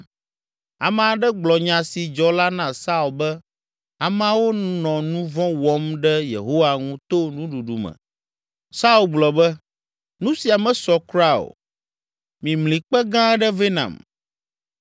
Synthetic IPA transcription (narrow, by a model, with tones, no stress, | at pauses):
a˨mɛ̃˨a˨ɖɛ˦ɡ͡blɔ˨ɲã˨si˨d͡ʒɔ˦la˦nã˦sa˦u˨lbɛ˦ | a˨mã˨˦wo˦nɔ̃˨nũ˦vɔ̃˦wɔ˦mɖɛ˦jḛ˨ɦo˦wa˨ŋũ˦t̪o˦nũ˦ɖu˨ɖu˨mɛ̰̃˨ | sa˦u˦lɡ͡blɔ˨bɛ˦ | nũ˦si˨a˨mɛ̃˨sɔ˨kɾa˦o̰˨ | mĩ˨mlĩ˨k͡pɛ˦ɡã˦ɛ˦ɖɛ˦ve˦nã̰˨m